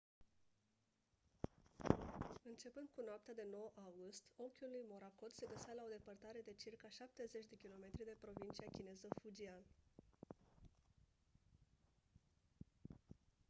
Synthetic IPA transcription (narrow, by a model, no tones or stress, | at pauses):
ɨnt͡ʃe̞pɨnd̪̚kunoap̚t̪ad̪e̞no̞wʔawɡust̪o̞ŋkʲulujmo̞ɾakod̪se̞ɡəsalao̞d̪e̞pərt̪aɾe̞d̪e̞t͡ʃirkaʃap̚t̪e̞ze̞t͡ʃʲd̪e̞kʲilo̞me̞t̪ɾid̪e̞pɾo̞vint͡ʃiakʲine̞zəfud͡ʒian